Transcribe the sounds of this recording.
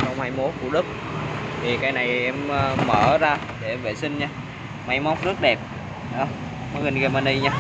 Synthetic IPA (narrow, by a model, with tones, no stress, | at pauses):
t͡ɕɔ˧wŋ͡mhaː˧jmo˦˥t̚ku˧˩əɗɨ˦˥k̚ | t̪ʰi˨˩kaː˧˦jna˨˩jʔɛ˧mː˧məː˧˩zaː˧ | ɗe˧˩vḛ˧˨˩sï˧ŋ̟ɲaː˧ | ma˨˧˦jma˨˦wŋ͡mnɨ˦˥k̚ɗɛ˨˩p̚ | ɗɔ˧˩ | mɔ˨˧˦ɣi˨˩nɣa˧˩ma˧ni˧ɲaː˧